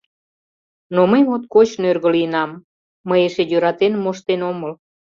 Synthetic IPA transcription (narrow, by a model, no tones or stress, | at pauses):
noməjmot̪̚kot͡ɕnørɣəliənɑmː | əjeʃejøɾɑt̪enmoʃt̪enoməl